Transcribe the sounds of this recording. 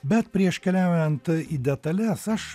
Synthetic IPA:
bʲɛt̪pʲɾʲiɛʃkʲɛlʲæˑʊjɛnt̪id̪ʲɛt̪ɐlʲɛsɐʃ

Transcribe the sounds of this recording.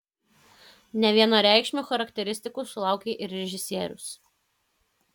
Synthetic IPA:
nʲɛʋʲiɛnɑːɾʲæˑɪkʃʲmʲuːxɐɾɐkʲt̪ʲɛɾʲɪsʲt̪ʲɪkʊsʊlˠɑˑʊkʲeːʔɪɾʲɾʲɛʒʲɪsʲiɛɾʲʊ̰s

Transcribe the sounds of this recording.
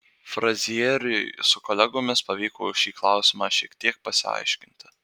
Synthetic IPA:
fɾɐzʲiːɾʲɪsʊkolʲæɡoːmʲɪspɐʋʲiːkoːʃʲiːklˠɑʊsʲɪmɑːʃʲiɛkt̪ʲiɛk̚pɐsʲɪɐ̰ɪʃʲkʲɪnʲt̪ʲɪ

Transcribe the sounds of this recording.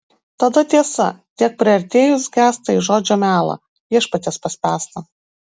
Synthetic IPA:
t̪ɐd̪ɐt̪ʲiɛsɐ̰t̪ʲiɛk̚pʲɾʲɪɐɾʲt̪ʲeːjʊsɡʲæːst̪ɐiʒoːd͡ʒʲoːmʲæːlˠɐ̰ | iɛʃpɐt̪ʲespɐsʲpʲæːst̪ɐ

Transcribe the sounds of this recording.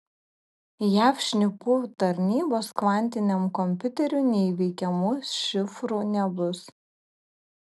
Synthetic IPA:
jæːfʃʲnʲɪpuːt̪ɐɾʲnʲiːboːsklˠɑˑnʲt̪ʲɪnʲɛmkɔmʲpʲʊt̪ʲɛɾʲunʲɛɪʋʲɛɪkʲɛmʊʃʲɪfɾuːnʲɛbʊs

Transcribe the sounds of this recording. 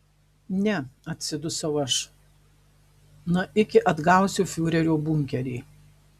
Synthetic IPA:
nʲɛɐt̪ʲsʲɪd̪ʊsɐʊɐʃ | nʊʔɪkʲɪʔɐd̪ɡɐʊsʲʊfʲuːɾʲɛɾʲoːbʊŋʲkʲɛɾʲiː

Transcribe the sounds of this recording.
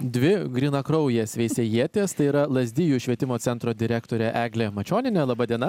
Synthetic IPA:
d̪ʲʋʲɪɡɾʲiːnɐkɾɔʊjeːsʲʋʲɛɪsʲejiɛt̪ʲeːst̪ɐɪiɾɐlˠɐzʲd̪ʲɪjuːʃʲʋʲiɛt̪ʲɪmoːsʲɛnt̪ɾoːd̪ʲɪɾʲækt̪oːɾʲɛʔæːɡlʲemɐt͡ʃʲoːnʲɪnʲɛlˠɐbɐd̪ʲiɛnɐ

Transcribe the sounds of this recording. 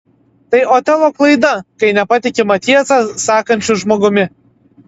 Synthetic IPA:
t̪ɐɪʔoːt̪ʲɛlˠoːklˠɐɪd̪ɐkɐɪnʲɛpɐt̪ʲɪkʲɪmɐt̪ʲiɛsɐsɑːkɐnʲt͡ʃʲʊʒmoːɡʊmʲɪ

